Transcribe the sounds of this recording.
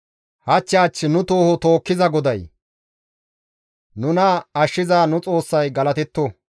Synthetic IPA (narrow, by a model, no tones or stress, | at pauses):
hɐt͡ʃːɪaːt͡ʃːɪnʊt̪o̞ːhɔt̪o̞ːkːɪzɐɡɔd̪ɐj | nʊnɐɐʃːɪzaːnʊt͡sʼo̞ːsːɐjɡɐlɐt̪ɛt̪ːɔ